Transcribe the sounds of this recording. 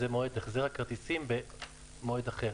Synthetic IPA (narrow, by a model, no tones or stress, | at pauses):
zemoed̪eχzeʁhakaʁt̪isimbe | moed̪aχe